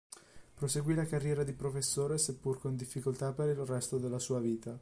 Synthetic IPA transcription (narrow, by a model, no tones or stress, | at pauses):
pɾoseɡwilakarːjɛːɾad̪ipɾofesːoːɾesepːurkond̪ifːikolt̪apeɾilrɛst̪od̪elːasuːaviːt̪a